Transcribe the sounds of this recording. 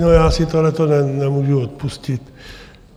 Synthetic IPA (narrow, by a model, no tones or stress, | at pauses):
nojaːsit̪olɛt̪onɛnnɛmuʒuot̪̚puscit̪